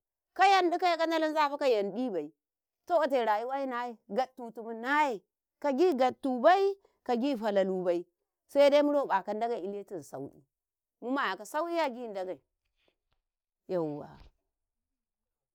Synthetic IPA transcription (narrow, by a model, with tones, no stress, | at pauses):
ka˦ja˦ndi˦ka˦ja˨ka˦na˦la˦n˦za˦˨fa˦ka˦ja˨ndi˦ba˨i˨˦ | to˦a˨te˨ɾa˨ji˦wa˦i˦na˦je˦ɡa˨tːu˨tu˨mu˦na˦je˨ | ka˨ɡi˦ɡa˨tːu˨ba˦i˦ | ka˨ɡi˦˨fa˨la˨lu˨ba˨i˦ | sa˦da˦i˦mu˦ɾo˦˨ba˨ka˨n˦da˦ɡa˨i˦le˦ti˦˨zsa̰˨u˦ɗḭ˦ | mu˦ma˨ja˨ka˨sa˦wi˦ja˦ɡi˦˨da˦ɡa˨i˨ | ja˨wːa̰˨